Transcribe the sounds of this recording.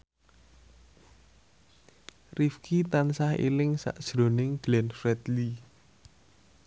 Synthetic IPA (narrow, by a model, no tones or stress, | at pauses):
rifkʰit̪ansahḛlɪŋsa̰ʔd̥ʒ̥ɾonɪŋɡ̥lɛnfɾɛt̪li